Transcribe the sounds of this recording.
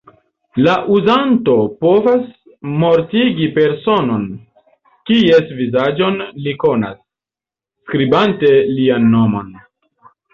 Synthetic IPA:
laʔuzanto̞po̞vas | mo̞ɾtiɡipe̞ɾso̞no̞n | kiesvizad͡ʒo̞nliko̞na̰sː | kɾibante̞lianːomo̰n

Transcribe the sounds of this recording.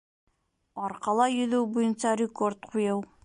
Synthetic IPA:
ɒɾqɑlˠɑjɵ̆ðɘwbujɤ̆nsɑɾʲɪkort̪̚qʰujɤw

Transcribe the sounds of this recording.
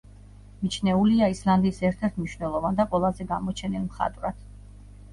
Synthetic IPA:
mit͡ʃʰnɛuliaisland̪iːsɛɾt̪ʰɛɾt̪ʰmniʃwnɛlˠɔvand̪aqʼwɛlˠazɛɡamɔt͡ʃʰɛnilˠmχa̰t̪ʼvɾad̪̥

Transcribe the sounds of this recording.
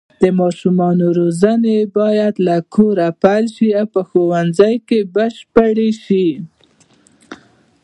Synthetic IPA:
d̪̥əmɑʃumɑnoɾozənebɑjad̪lakʰoɾapalʃiawpəxowanzajkebəʃpəɽeʃi

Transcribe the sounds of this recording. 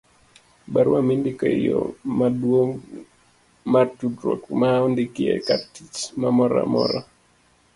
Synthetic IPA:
baɾwamindikɔijɔmadwoŋɡ | matudɾɔkmaɔndikiɛ̰katit͡ʃmamɔɾa̰mɔ̰ɾɔ

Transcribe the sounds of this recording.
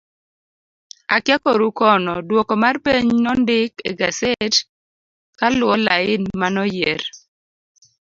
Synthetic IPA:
akjakɔɾukɔnɔdwɔkɔmarpeɲnɔndɪkḛɡasɛt | kalwɔlaɪnmanɔjeɾ

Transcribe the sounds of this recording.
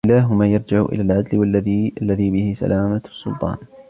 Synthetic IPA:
ɪlaːɦʊmaːjɑɾˤd͡ʒɪʕʔɪ̰laːlʕad̪lwaʔalːaðiːbɪhɪsa̰lʔaːmasːʊ̰lt̪ˤɑ̰ːn

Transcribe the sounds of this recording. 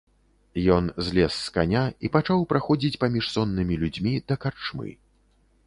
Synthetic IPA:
jɔnzʲlʲɛsːkanʲaipat͡ʂawpɾʔaxɔd͡zʲit͡sʲpamʲiʂsɔnːɨmʲilʲud͡zʲmʲid̪ɐkart͡ʂmɨ̰

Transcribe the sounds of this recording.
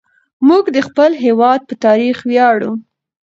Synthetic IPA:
muɡd̪əxpəlɦewɑd̪̚pət̪ɑɾixwjɑɽu

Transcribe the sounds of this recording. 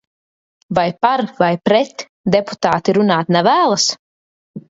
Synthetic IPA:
vajpaɾvajpɾɛt̪ | d̪ɛpu̥t̪aːt̪iɾunaːt̪navæːlˠas

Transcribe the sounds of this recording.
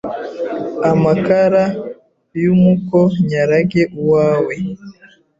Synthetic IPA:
amakaɾa | jumukoɲaɾaɡeʔuwaːwe

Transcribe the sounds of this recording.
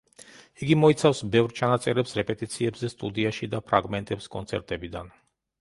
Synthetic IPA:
iɡimɔit̪sʰafsbɛvɾt͡ʃʰanat̪sʼɛɾɛpsɾɛpʼɛt̪ʼit̪sʰiɛbzɛst̪ʼud̪iaʃid̪apʰɾaɡmɛnt̪ʼɛpskʼɔnt̪sʰɛ̰ɾt̪ʼɛbid̪an

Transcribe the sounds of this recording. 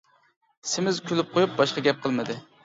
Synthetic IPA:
sɪmɪzkʲʰølɪp̚qʰojup̚bɑʃqɑɡʲɛp̚qʰəlˠmɨd̪ɨ

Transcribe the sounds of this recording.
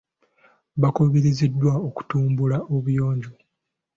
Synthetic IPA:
βakoβiɾizidːwaoku̥tuːmbulaoβujo̞ːɲɟo

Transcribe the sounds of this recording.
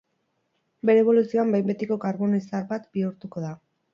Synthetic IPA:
be̞ɾeːβo̞lusio̞ambajmbe̞t̪iko̞kaɾβo̞noisaɾβat̪biuɾt̪uko̞ða

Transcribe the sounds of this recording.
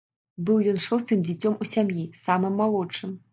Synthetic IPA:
bɨwjɔnʂost̪ɨmd͡zʲit͡sʲomusʲamjisamɨmːalˠot͡ʂɨm

